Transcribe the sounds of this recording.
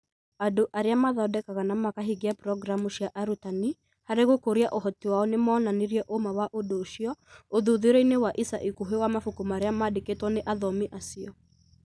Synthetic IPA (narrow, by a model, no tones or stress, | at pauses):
adoʔaɾeamaðɔdɛkaɣanamakaɦiɡeapɾɔɡɾamuɕiaʔaɾutani | haɾeɣokoɾiaʔoɦɔtiwaɔnemɔːnaneɾiɛʔomawaʔodoːʃiɔoðuðeɾeinewaʔisaʔikuɦewamafukumaːɾeamaːdeketwɔneʔaðɔmiʔasiɔ